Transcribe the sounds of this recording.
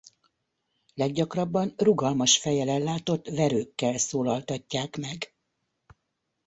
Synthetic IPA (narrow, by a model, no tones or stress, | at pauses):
lɛɡɟɒkrɒbːɒnruɡɒlmɒʃfɛjɛlɛlːaːt̪o̞t̪ːvɛɾøːkːɛlsoːlɒlt̪ɒcːaːkmɛɡ